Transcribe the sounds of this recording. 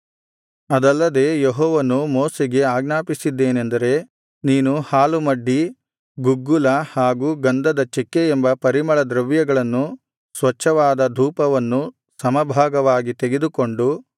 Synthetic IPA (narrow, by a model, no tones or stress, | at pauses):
ɐd̪ɐlːɐd̪e̞ːjeɦɔːʋɐnumɔːseɡe̞aːɡnaːpisid̪ːe̞ːnend̪ɐɾe̞ | niːnuhaːlumɐɖːi | ɡuɡːulɐhaːɡuːɡɐnd̪ɐd̪ɐt͡ʃekːeːmbɐpɐɾimɐɭɐd̪ɾɐʋjɐɡɐɭɐnːu | sʋɐt͡ʃːɐʋaːd̪ɐd̪ʱuːpɐʋɐnːu | sɐmɐbʱaːɡɐʋaːɡit̪eɡe̞d̪uko̞ɳɖu